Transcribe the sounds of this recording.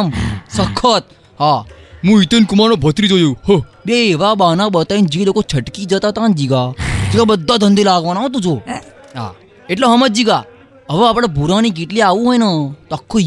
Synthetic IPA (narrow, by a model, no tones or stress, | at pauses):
msəkʰːət̪̚ | ɦamũit̪ənkumanobʱət̪ɾid͡ʒojohə | beʋabanaɓət̪aind͡ʒilokot͡ʃʰəʈkid͡ʒət̪at̪and͡ʒiɡad͡ʒiɡabəd̪ʱːad̪ʱə̃nd̪elaɡʋanaɦõt̪̬ũd͡ʒo | ɦa̰ | eʈ̬loɦəməd͡ʒiɡa | əʋaːpɽabʱuɾanik̬iʈliaʋũɦojnat̪oakʰːo